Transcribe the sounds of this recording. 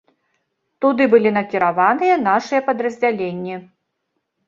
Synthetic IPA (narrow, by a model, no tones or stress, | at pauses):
t̪ud̪ɨbɨlʲinɐkʲiɾavanɨjɐnaʂɨjɐpɐd̪ɾɐzʲd͡zʲalʲenʲːi